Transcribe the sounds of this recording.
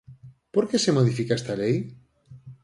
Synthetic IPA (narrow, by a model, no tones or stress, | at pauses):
poɾkesemoðifikaest̪alej